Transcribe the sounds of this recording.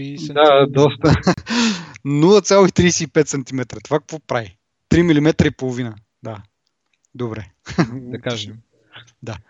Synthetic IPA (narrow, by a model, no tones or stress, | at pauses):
d̪ad̪ɔst̪ə | nulˠət̪sʲjalˠoit̪ɾijsɛipɛt̪sɐnt̪imɛt̪ɾət̪ovakə̥kvɔpɾavi | t̪ɾimilimɛt̪ɾəipolˠovinə | d̪a | d̪obɾɛ | d̪a